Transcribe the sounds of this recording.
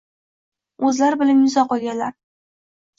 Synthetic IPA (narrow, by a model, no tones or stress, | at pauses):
ɵzlaɾɪbɪlanjʊzɒqʰɒɡʲanlaɾ